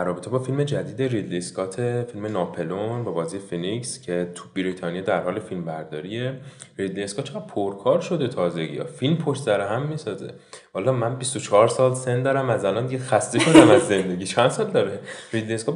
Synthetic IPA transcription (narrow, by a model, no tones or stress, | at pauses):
æɾrːɒːbe̞t̪ʰe̞bɒːfilme̞d͡ʒæd̪iːd̪e̞rid̪liskʰɒːt̪ʰefilme̞nɒːpʰe̞lonvæbɒːziːjefenikscʰe̞t̪ʰu̥biɾit̪ʰɒːnijɒd̪æɾhɒːlefilmbæɾd̪ɒːɾierid̪lieskɒt̪t͡ʃʰːɣæd̥̪̚pʰoɾkʰɒːɾʃo̞d̪e̞t̪ʰɒːze̞ɡḭjɒ̰filmpʰoʃt̪sæɾeɦæmːisɒːzḛ | hɒlɒːmænbist̪ot͡ʃʰɒːɾsɒːlse̞nd̪ɒːɾæmæzælɒnd̪iɡɟexæst̪e̞ʃo̞d̪æmæzːe̞nd̪e̞ɡiːt͡ʃʰænd̪sɒːld̪ɒːɾerid̪liskɒ